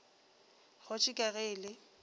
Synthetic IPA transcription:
ɣʊt͡ʃʼɪkʼaɣeːlɪ

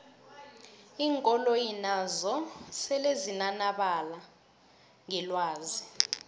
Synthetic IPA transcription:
iːŋkʼɔlojinazɔsɛlezinanaɓala | ŋɛlwaːzi

